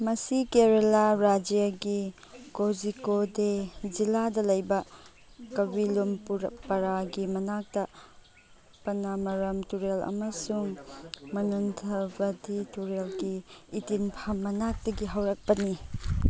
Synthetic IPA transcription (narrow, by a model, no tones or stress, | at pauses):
mɐsikeɾelaɾad͡ʒijaɡi | kozikoded͡ʒiladɐlɐjbɐ | kɐbilomppɐɾaɡimɐnak̚tɐ | pɐnamɐɾɐmtuɾelɐ̰mɐsuŋmɐnuntʰɐbɐdituɾelɡiːtinpʰɐmːɐnak̚tɐɡiɦɐwɾɐk̚pɐni